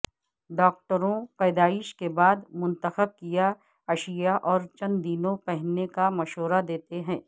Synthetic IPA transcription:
ɖɔːk̚ʈəɾõpɛːd̪aːɪʃkebaːd̪mʊ̃nt̪əxəb̚kija | ɐʃijaʔɔːɾt͡ʃɐ̃nd̪iːnõpɛɦnːekamɐʃɦoːɾad̪eːt̪eɦɛ̃ː

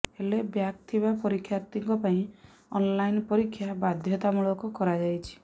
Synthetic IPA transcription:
elebjak̚t̪ʰibapɔɾikʰːjaɾt̪iŋkɔpaĩ | ɔnlajnpɔɾikʰːjabad̪ʱjɔt̪amuɭɔkɔkɔɾad͡ʒajt͡ʃʰi̥

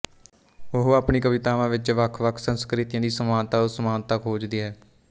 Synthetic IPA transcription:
ʊɦaːpɳiːkəʋɪt̪aːʋãːʋɪt͡ʃʋəkʰʋəkʰsənskɾɪt̪ɪjãːd̪iːsəmaːnt̪aːʊsəmaːnt̪əkɦoːd͡ʒd̪iːɦɛː

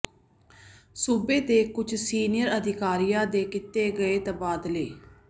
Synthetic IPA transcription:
suːbeːd̪eːkʊt͡ʃʰsiːnɪjəɾəd̪ʱɪkaːɾijãːd̪eːkɪt̪ːeːɡəeːt̪əbaːd̪leː

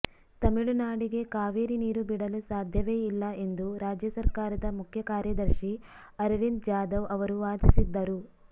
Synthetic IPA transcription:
t̪ɐmiɭunaːɽiɡe̞kaːʋiːɾiniːɾubiɽɐlusaːd̪ʱjɐʋeːilːɐe̞nd̪uɾaːd͡ʒjɐsɐɾkaːɾɐd̪ɐmukʰjɐkaːɾjɐd̪ɐɾʃi | ɐɾlind͡ʒaːd̪ɐʋɐʋɐɾuʋaːd̪isid̪ːɐɾu

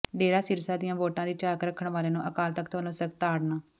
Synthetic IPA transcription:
ɖeːɾaːsɪɾsaːd̪ɪjãːʋoːʈãːd̪iːt͡ʃaːkɾəkʰːəɳʋaːleːnũːʔəkaːlt̪əkt̪ʋəlõːsəkt̪aːɽnaː

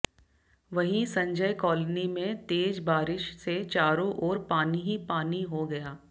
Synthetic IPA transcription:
ʋɐɦĩsɐ̃ɲd͡ʒəjkɔːlnimẽt̪eːd͡ʒbaːɾɪʃset͡ʃaːɾõʔɔːɾpaːniɦipaːniɦoɡɐjaː

